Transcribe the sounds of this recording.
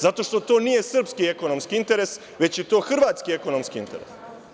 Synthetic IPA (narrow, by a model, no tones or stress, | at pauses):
zat̪o̞ʃt̪o̞t̪o̞ːnije̞sr̩pskieko̞nomskiint̪e̞ɾes | ʋe̞t͡ɕje̞t̪o̞ːxr̩ʋaːt̪skie̞ko̞no̞mskiint̪e̞ɾḛs